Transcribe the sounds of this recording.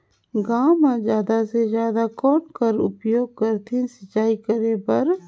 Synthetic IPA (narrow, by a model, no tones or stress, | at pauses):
ɡaːmãd͡ʒjaːd̪asezjaːd̪akɔːnkəɾʊ̰pjoːɡ̚kəɾt̪ʰẽsət͡ʃːaːikəɾepɐɾ